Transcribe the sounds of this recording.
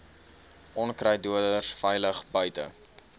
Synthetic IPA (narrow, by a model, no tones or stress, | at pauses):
ɔnkrəjduədərsfɛjləχbœɥtə̰